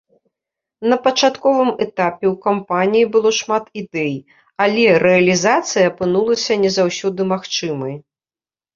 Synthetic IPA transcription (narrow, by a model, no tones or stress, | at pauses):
nɐpɐt͡ʂat̪kɔvɨmɛt̪apʲɛwkampanʲijibɨlˠɔʂmat̪id̪ɛj | alʲɛɾɛɐlʲizat̪sɨjɐːpɨnulˠɐsʲɐnʲɛzawsʲɔd̪ɨmaxt͡ʂɨmɐj